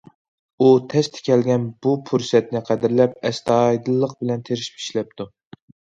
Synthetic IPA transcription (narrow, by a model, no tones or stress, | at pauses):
ut̪ʰɛst̪ʰɪ̥kʲʰɛlɡʲɛnbupʰuɾsɛt̪nɪqʰæd̪ɪɾlɛp̚ɛst̪ʰɑjd̪ɨlˠːəq̚bɪlɛnt̪ʰeɾɪʃpi̥ʃlɛp̚t̪ʰu